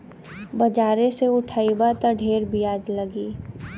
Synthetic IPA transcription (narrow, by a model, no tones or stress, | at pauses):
bɐd͡ʒaːɾẽseʊʈʰaːibat̪ɐɖʱeːɾbʱiaːd͡ʒləɡiː